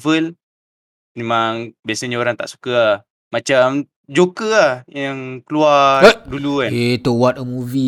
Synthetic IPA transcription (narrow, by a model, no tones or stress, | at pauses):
vəl | memaŋbiasaɲaoɾaŋt̪a̰ʔsu̥kəa | mat͡ʃam | d͡ʒokəahjaŋkəluaduluaet̪owat̪̚əmuvi